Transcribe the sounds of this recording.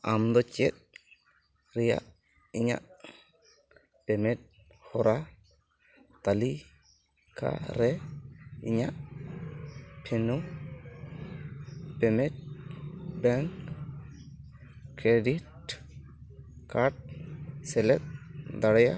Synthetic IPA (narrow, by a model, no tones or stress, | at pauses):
amd̪ɔt͡ʃɛt̪̚ | ɾija̰ʔ | iɲa̰ʔ | pɛmɛt̪̚ | hɔɾa | t̪ali | kʰa̰ɾɛ | ḭɲa̰ʔ | pʰɛnu | pɛmɛt̪̚ | bɛŋk | kɾedit̚ | kʰaɾʈ̚sɛlɛt̪̚d̪aɽɛja